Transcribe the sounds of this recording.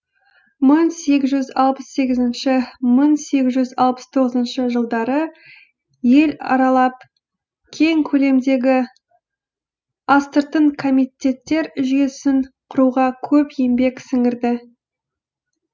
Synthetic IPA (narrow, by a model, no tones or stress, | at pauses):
məŋse̞ɡʲɪzʒʏzɑlˠpəsːe̞ɡʲɪzɪnʃɪməŋse̞ɡʲɪzʒʏzɑlˠpə̥st̪ʰo̞ʁəzənʃəʒəlˠd̪ɑɾə | je̞lɑ̰ɾɑlˠɑp̚ | kʲʰe̞ŋkʲʰɵle̞md̪e̞ɡʲɪ | ɑst̪əɾt̪əɴkʰo̞mit̪ʲe̞t̪ːe̞ɾʒʏje̞sɪnqʰʊɾuʁɑkʲʰɵpje̞mbe̞ksɪŋɪɾd̪ɪ